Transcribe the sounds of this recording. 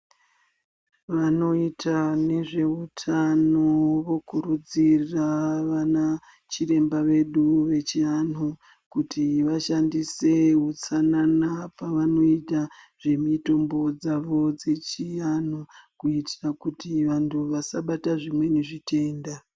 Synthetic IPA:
ʋano̞itʰane̞ʐe̞utʰanoʋo̞kuɾud͡zirraʋana | t͡ʃire̞mbaʋe̞ɗuʋe̞t͡ʃian̤u | kutʰiʋaʃandise̞ɦut͡sananapaʋano̞ita | ʐ̥e̞mito̞mbo̞d͡zaʋo̞d͡ze̞t͡ʃianukuitirakutiʋantʰuʋasaɓataʐimwe̞neʐitʰe̞ːnda

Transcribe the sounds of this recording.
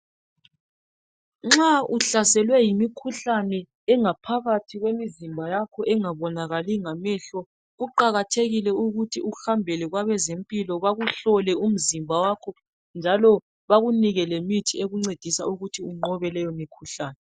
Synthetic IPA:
ŋ͡ǁauɬasɛlwɛjimikʰuɬanɛː | ŋapʰaɣatʰiɣwemizimbʱajakʰɔʔɛŋaβɔnaɣaliŋamɛɬɔ | ɣuǃaɣatʰeɣilɛuɣutʰiuhambʱɛlɛɣwaβɛzempʼilɔβaɣuɬɔlɛum̩zimbʱawakʰɔ | nd͡ʒʱalɔ | βaɣuniɣɛlemitʰieɣuŋ͡ǀed̥ʱisauɣutʰiuŋ͡ǃɔβɛlɛjɔmikʰuɬaːnɛ

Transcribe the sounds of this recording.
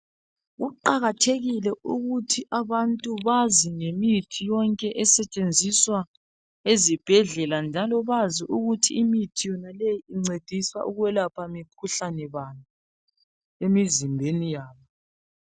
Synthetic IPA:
ɣuǃaɣatʰeɣilɛuɣutʰiʔaβantʼuβaziŋemitʰijɔŋkʼɛʔɛsɛt͡ʃʼend͡zʱiswa | ezib̥ʱɛɮɛland͡ʒʱalɔβaziʔuɣutʰiimitʰijɔnalejiiŋ͡ǀed̥ʱisa̰ʔuɣwɛlapʰamikʰuɬanɛβana | emizimbʱenijaːβɔ

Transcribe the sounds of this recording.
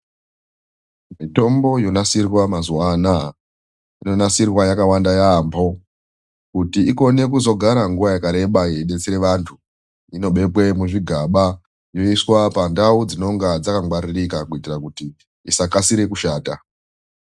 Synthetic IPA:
mito̞mbo̞jo̞nasirwamazuwana | ino̞nasirwajakawandajaːmbʰo̞ | kutiiko̞ne̞kuzo̞ɡʱaɾaŋɡuʋajakaɾe̞ɓaje̞ɗe̞t͡siɾe̞ʋantʰu | ino̞ɓe̞pwe̞muʐiɡʱaɓa | jo̞iswapandaud͡zino̞ŋɡad͡zakaŋɡwaɾirikakuitirakuti | isakasiɾe̞kuʃaːta

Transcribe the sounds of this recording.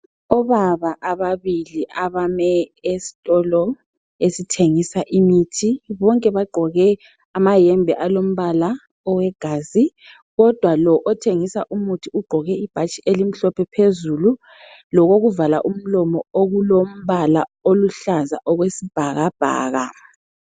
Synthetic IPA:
ɔβaβaʔaβaβiliʔaβamɛesi̥tʼɔlɔ | esitʰeŋisaʔimitʰiβɔŋkʼɛβaɡ͡ǃʱɔɣɛ | amajɛmbʱɛʔalom̩βala | ɔwɛɡ̥ʱaːzi | ɣɔd̥ʱwalɔʔɔtʰeŋisaʔumutʰiuɡ͡ǃʱɔɣɛib̥ʱat͡ʃʼiʔelim̩ɬɔpʰɛpʰezulu | lɔɣoɣuvala̰ʔum̩lɔmɔoɣulom̩βalaoluɬaza̰ʔɔɣwesib̥ʱaɣab̥ʱa̰ːɣa̰

